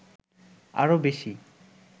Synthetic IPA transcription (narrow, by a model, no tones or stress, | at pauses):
a̰ɾobeʃi